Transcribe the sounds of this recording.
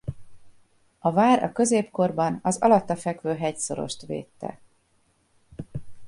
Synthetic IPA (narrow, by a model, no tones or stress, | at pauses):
ɒvaːɾɒ̰kø̞zeːpko̞rbɒnɒzɒ̰lɒt̪ːɒfɛkvøːɦɛcso̞ɾo̰ʃt̪ʋḛːt̪ːɛ̰